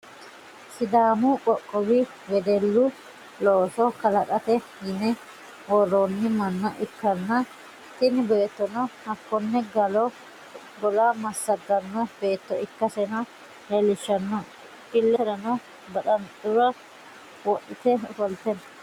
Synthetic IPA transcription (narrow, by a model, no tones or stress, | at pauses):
sɪd̪aːmʊkʼɔkʼːɔbɪ | wɛd̪ɛlːʊ | loːsɔkɐlɐkʼɐt̪ɛhɪnɛ | wɔrːonːɪmɐnːɐʔɪkːɐnːɐ | t̪ɪnɪbe̞ːt̪ːɔnɔhɐkːɔnːɛɡɐlɔ | bɔlamɐsːɐd̪ːɐnːɔb̥e̞ːt̪ːɔɪkːɐsɛnɐ | hɛlɪʃːɐnːɔ | ʔɪlːɛɾɐnɔ | bɐɗɐntʼʊɾɐ | wɔʔɪt̪ɛfɔlt̪ɛnɐ